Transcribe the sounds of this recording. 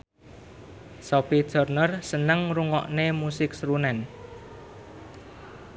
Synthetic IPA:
sɔpid̥d̥ɔ̤rnərsənəŋruŋɔ̰ʔnemusɪk̚sɾunɛn

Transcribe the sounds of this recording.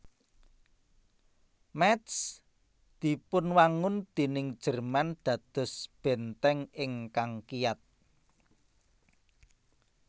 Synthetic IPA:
mɛt̪s | d̪̥i̤pʊnwaŋʊnd̪̥e̤nɪŋ̥ʒ̥ə̤rmand̪̥ä̤d̪̥ɔ̤sb̥ɛ̤nt̪ɛŋɪŋkaŋkijat̪̚

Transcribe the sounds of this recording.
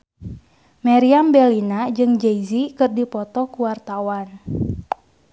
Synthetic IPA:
maɾiambɛlinad͡ʒɨŋd͡ʒeizikɨrdipɔt̪ɔkuwart̪awan

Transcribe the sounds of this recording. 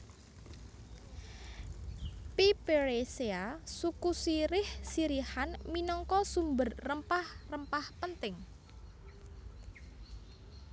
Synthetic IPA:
pipeɾeseasukusiɾɪhsiɾihanminɔŋkɔsumbərrəmpahrəmpahpənt̪ɪŋ

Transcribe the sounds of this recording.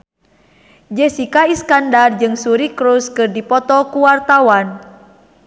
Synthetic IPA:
d͡ʒɛsikaiskandard͡ʒɨŋsuɾikɾuskɨrdipɔt̪ɔkuwart̪awan

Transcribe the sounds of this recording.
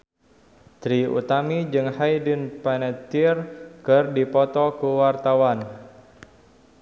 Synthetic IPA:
t̪ɾiṵt̪amid͡ʒɨŋhajdinpɛnɛt̪irkɨrdipɔt̪ɔkuwart̪awan

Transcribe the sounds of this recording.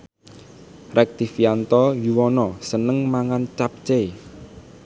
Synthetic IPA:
rʔɛk̚t̪ifjant̪ɔjuwɔnɔsənəŋmaŋant͡ʃap̚t͡ʃe

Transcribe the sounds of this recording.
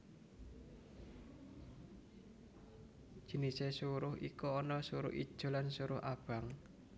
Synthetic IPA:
d̥ʒ̥i̤nisesuɾʊhʔḭkuɔnɔsuɾʊ̰ʔḭd̥ʒ̥o̤lansuɾʊhʔab̥a̤ŋ

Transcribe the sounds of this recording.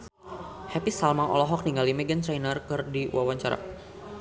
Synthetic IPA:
hɛpisalmaŋɔ̰lɔɦɔk̚niŋɡalimɛɡant̪ɾajnərkɨrdiwawaɲt͡ʃaɾa̰

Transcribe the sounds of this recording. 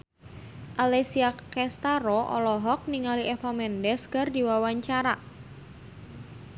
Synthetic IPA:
ʔalesiakɛst̪aɾɔʔɔ̰lɔɦɔk̚niŋaliʔɛfamɛndɛsɡardiwawaɲt͡ʃaɾa

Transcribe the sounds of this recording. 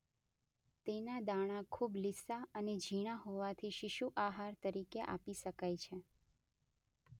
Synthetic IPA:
t̪enad̪aɽ̃akʰublisaəned͡ʒʱiɽ̃aɦoʋat̪ʰiʃiʃuʔaɦaɾt̪əɾikeʔa̰piʃəkajt͡ʃʰe

